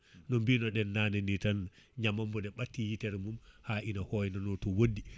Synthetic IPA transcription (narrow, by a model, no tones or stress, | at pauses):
nɔmbinɔɗɛnːanɛnitan | ɲamambɔdɛɓatːijitɛɾmumhaʔinahɔjnɔnɔtɔwodi